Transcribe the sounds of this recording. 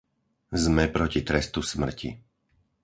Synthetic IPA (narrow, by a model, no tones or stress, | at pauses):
zmɛpɾɔcit̪ɾɛst̪usmr̩cḭ